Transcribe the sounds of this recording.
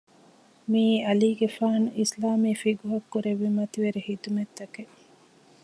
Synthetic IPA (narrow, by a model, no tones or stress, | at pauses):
miːɐliːɡefaːnislaːmiːfiɡuɦɐkːuɾeʋːimɐt̪iʋeɾehit̪umet̪ːɐke